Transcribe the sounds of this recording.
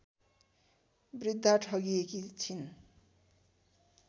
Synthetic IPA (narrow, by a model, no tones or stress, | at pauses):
brid̪ʱːaʈʰʌɡiekit͡sʰin